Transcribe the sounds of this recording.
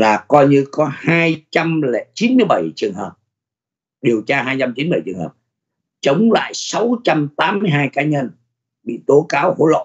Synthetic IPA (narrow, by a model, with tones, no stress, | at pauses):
laː˨˩kɔ˧jɲɨ˧kɔ˨˦haː˧jt͡ɕa˧mlɛ̰˧˨t͡ɕi˨˦nmɨ˧əjɓa˧˩jt͡ɕɨ˨˩əŋɦəː˨˩p̚ | ɗi˨˩əwt͡ɕaː˧ɦaː˧jt͡ɕa˧mt͡ɕi˨˦nɓjt͡ɕɨ˨˩əŋɦəː˨˩p̚ | t͡ɕə˨˦wŋ͡mla̰ː˧˨jsa˨˦wt͡ɕa˧mt̪aː˨˦mːɨ˧jɦaː˧jkaː˨˦ɲə˧n | ɓḭ˧˨t̪o˨˦kaː˨˦who̰˧˥lo̰˧˨